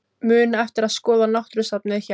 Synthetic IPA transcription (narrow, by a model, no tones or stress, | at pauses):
mʏːnaɛft̪ɪɾaðskɔːðanaht̪ɾʏsapnɪðça